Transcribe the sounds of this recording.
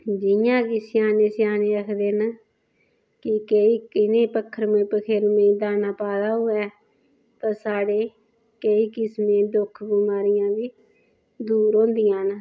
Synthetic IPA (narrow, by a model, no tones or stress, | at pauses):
d͡ʒɪjãːkɪsɪjaːneːsjaːneːɾəkʰd̪eːn | kɪkəiːkɪnẽːpəkʰːəɾmẽːpəkʰeːɾmẽd̪aːnaːpaːd̪aːɦoːɛː | t̪ãːsaːɽeː | kəiːkɪsmẽːd̪ʊkʰbɪmaːɾɪjãːbiː | d̪uːɾõːnd̪ɪjãːn